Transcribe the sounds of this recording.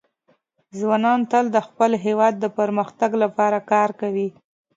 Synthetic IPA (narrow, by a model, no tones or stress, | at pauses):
zwɑnɑnt̪əld̪əxpəlɦewɑd̪ːəpəɾməxt̪aɡlapɑɾakɑɾkawi